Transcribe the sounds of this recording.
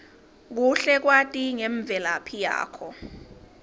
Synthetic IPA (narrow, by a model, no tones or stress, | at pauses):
k̬uɬɛk̬watʼiŋɛɱb̪vʱɛlapʰija̰ːkʰɔ